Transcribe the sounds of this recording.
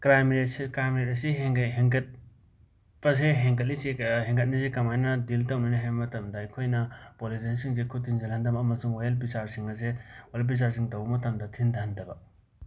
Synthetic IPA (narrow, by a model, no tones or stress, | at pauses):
kɾajmɾeskɾajmeɾetɐsiɦeŋɦeŋket̚ | pɐs̬eɦeŋkɐt̚lisiɦeŋɡʰɐt̚nisekɐmajnɐdiltɐwninaɦajmɐtɐmdɐːjkʰojnɐpolidensiŋzekʰutʰinzelɦɐndɐbɐːmɐsuŋwajɐlbisaɾsiŋɐsewajɐlbis̬aɾs̬iŋtɐwbɐmɐtɐmdɐtʰindʰɐndɐbɐ